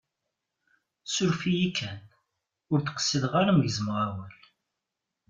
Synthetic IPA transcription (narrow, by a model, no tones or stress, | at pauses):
sʊɾfijikʰːæn | ʊɾθqə̥sːiðʁaɾaməʝzmʁawæl